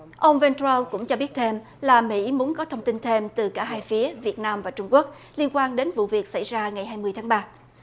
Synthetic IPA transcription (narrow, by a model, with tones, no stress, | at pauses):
ʔə˧wŋ͡mvɛ˧nt̪a˧lkʊ̰˧˥ŋ͡mt͡ɕɔ˧ɓi˦˥ət̚t̪ʰe˧m | laː˨˩mḭ˧˥mu˨˦ənkɔ˨˦t̪ʰə˧wŋ͡mt̪i˧nt̪ʰe˧mt̪ɨ˨˩kaː˧˩ɦaː˧jfi˨˦əvi˨˩ət̚naː˧mvaː˨˩t͡ɕʊ˧ŋ͡mku˦˥ək̚ | li˧ənkwaː˧nɗe˨˦nvṵ˧˨vi˨˩ək̚sa̰˧˩jzaː˧ŋa˨˩jɦaː˧jmɨ˧əjt̪ʰːŋɓaː˧